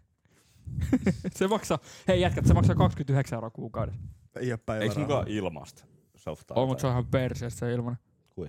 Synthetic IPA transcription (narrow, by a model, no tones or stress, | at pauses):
semɑksɑeijæt̪̚kæt̪semɑksɑkɑkskymt̪yheksæeoɾɑkuːkɑwdes | eijoppæieimukɑʔilmɑ̰st̪ | so̰ft̪ɑ̰omut̪soihɑmperseːst̪seilmɑne | kui